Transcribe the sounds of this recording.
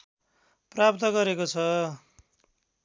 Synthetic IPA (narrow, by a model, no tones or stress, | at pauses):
prap̚t̪ʌɡʌɾekot͡sʰʌ